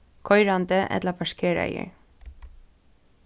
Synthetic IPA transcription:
kʰɔjɾant̪əʔɛ̰t̪lapʰaʂkʰɛːɹa̰jə̰

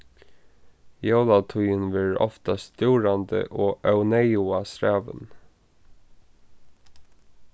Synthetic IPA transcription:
jɑːlɑt̪ʰuʏənʋæːɹɔ̰ft̪ɑst̪ʉːɹɑnd̪ə̰ʔoːʔœʉnɛɪʊɑsɾæːʋə̰n

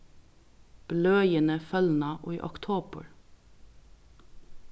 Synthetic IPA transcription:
b̥lœːjənəfœln̩ɑʔoːḭːʔɔkt̪ʰoːbə̰ɹ

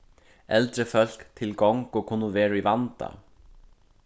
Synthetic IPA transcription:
ɛlt̪ɾɪfœl̥kt̪ʰɪlkɔwŋkɔɣkʰʊnːʊvɛːɾaivant̪a̰

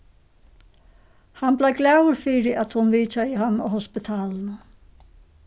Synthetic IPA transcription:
hanblajɡlawɾfiːɾɪʔat̪hʊnviːt͡ʃajɪɦanːɔ̰hɔspɪt̪ʰaːlnə

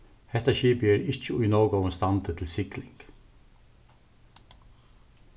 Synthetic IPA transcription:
hɛt̪ɑçiːbjeːɾɪc͡çəiːnoːɡəɔmst̪ɑnd̪ət̪ʰɪl̩sɪklɪŋɡ̥

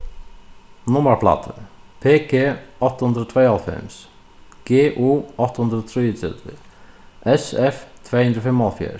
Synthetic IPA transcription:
nʊməɾpʰla̰t̪ʰəpʰeːkʰeːɔht̪ːhund̪ɾəɔt̪ʰvɛːalfɛ̰ms | ɡ̥eːʔuːɔht̪hund̪ɾət̪ʰɾijət͡s̪ɛ̰t̪vɪ̰ | ʔɛsɛft̪ʰveːhʉnd̪ɾəfɪmːalfjɛ̰ːɾ

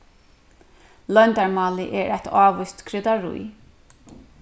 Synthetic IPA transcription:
lœnd̪aɹmɑːlɪʔɛːɾɛt̪ʰɑːʋʊst̪kʰɾɪd̪aɾṵj

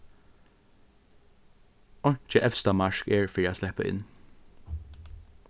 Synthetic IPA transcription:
ɔnt͡ʃəʔɛfst̪ɑmɑʃkeːɹfioːslɛpə̰ʔɪ̰n

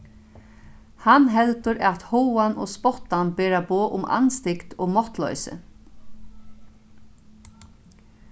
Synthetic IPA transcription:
hanɦɛlt̪ʏɾat̪howanɔ̰ɣspɔht̪ːanbɛːɾaboːʔʊmʔa̰nst̪ɪkt̪ɔːɣmɔht̪lɔ̰ʏsɪ̰

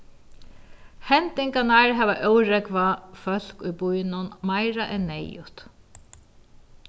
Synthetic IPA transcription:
hɛnt̪ɪŋkanaɹɦɛːʋaʔœwɾɛkʋafœl̥kujbujnʊnmajɾaʔɛnːɛjʊt̪

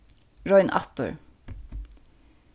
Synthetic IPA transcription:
ɹɔʏnʔɑ̰t̪ʊ̰ɹ

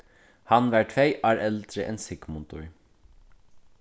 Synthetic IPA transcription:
hɑnʋæʈʰʋeɪʔæːɹɛlt̪ɾɪʔɛ̰nsɪkmʊnt̪ʊɹ

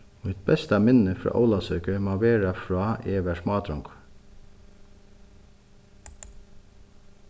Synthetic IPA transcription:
oːɪt̪̚bɛst̪ɑmɪnəfɾɑ̰ːʔa̰ʊlɑsœːkəmɑːʋeːɾafɹɑːeːʋæʂmɑːd̪ɾɔŋk

